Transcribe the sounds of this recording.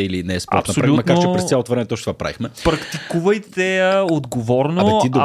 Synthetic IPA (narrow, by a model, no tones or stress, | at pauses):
ilinɛɛspɔɾɐt̪sɐsoɾaiumɐk̪aɾt͡ʃɛppɾɛssalˠot̪ovɾɛmɛt̪ɔtʃt̪ovapɾa̰vixmɛpɾɐkt̪ikuvəjt̪ɛəod̪ɡovɔɾnot̪id̪